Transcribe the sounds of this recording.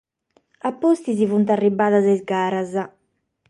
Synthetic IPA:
apːost̪izivunt̪arːibːaːðazɛzɡaːɾaza

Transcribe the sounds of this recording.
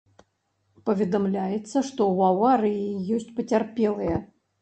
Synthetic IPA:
pɐvʲɛd̪amlʲajɛt̪sːɐʂt̪ɔwawaɾɨjijɔsʲt͡sʲpɐt͡sʲarpʲɛlˠɨjɐ

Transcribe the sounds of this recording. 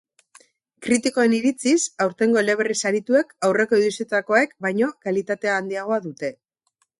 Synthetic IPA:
kɾit̪iko̞e̞niɾit͡sisawɾt̪e̞ŋɡo̞ele̞β̞e̞risaɾit̪ue̞kawre̞ko̞iðusit̪ako̞e̞kbajɲo̞kalit̪at̪e̞aːnd̪iaɣ̞o̞aðut̪e̞

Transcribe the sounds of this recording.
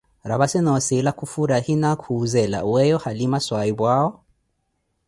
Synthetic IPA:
ɾaβasɛnɔsɛlakufuɾahinakʰuːzɛla̰wɛjɔhalimaswaiβwaɔ

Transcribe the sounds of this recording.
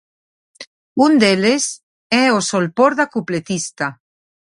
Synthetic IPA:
und̪eles | ɛosolpoɾðakuplet̪ist̪a

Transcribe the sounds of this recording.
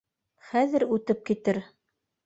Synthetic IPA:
χæðɘ̆ɾʉt̪ɘp̚kit̪ɘɾ

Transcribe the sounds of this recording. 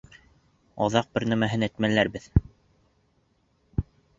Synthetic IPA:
ɑ̰ðɑq̚bɘɾnæmæɦɘnæt̪mælæɾbɘð

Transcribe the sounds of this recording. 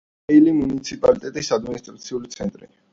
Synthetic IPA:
ɛilimunit̪sʰipʼalit̪ʼɛt̪ʼisad̪minist̪ʼɾat̪sʰiulit̪sʰɛnt̪ʼɾḭ

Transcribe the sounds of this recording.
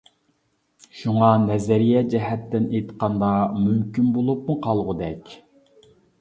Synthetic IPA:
ʃuŋɑnɛzɛɾijɛd͡ʒɛɦɛt̪ːɪnejt̪qɑnd̪ɑmymkʲynbolˠup̚muqʰɑlˠʁʊd̪ɛkʲ

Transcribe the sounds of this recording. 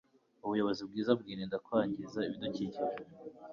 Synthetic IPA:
uβujo̞βo̞zib̚ɡiːzab̚ɡiːnendakwaːɲɟizaiβidociciɾ

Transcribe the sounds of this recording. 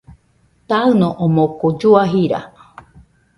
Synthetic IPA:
t̪aɨnõʔomokod͡ʒuaɦiɾa̰

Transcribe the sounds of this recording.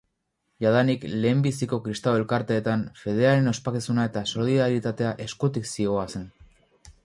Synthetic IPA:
jaðanikle̞ːmbisiko̞kɾist̪awe̞lkaɾt̪e̞ːt̪anfe̞ð̞e̞aɾe̞no̞spakisunae̞t̪aso̞liðaɾit̪at̪e̞aʔe̞skut̪iksio̞ase̞n

